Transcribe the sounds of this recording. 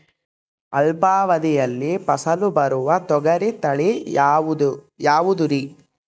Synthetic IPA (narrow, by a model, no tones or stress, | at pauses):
ɐlbaːʋɐd̪ijɐlːipɐsɐlubɐɾuʋɐt̪ɔɡɐɾit̪ɐɭi | jaːʋud̪uɾi